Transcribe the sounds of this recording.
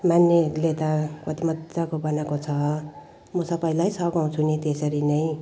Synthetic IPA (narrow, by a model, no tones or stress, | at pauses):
manːelet̪apʌt̪imʌd͡zakobʌnakot͡sʰʌ | mʌsʌpaj̃lajsʌɡaw̃t͡sʰunet̪esʌɾinʌj̃